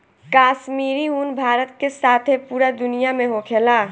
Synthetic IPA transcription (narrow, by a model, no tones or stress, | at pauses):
kaːʃmiːɾiɦuːnbʱaːɾət̪̚kesaːt̪ʰepuːɾad̪ʊnijamẽɦokʰeːlaː